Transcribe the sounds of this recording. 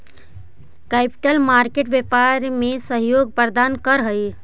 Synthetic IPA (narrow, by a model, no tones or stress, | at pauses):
kɛpi̥ʈəlmaːɾkeʈʋjepaɾmesəɦjoːɡ̚pəɾd̪aːnkəɾɦəj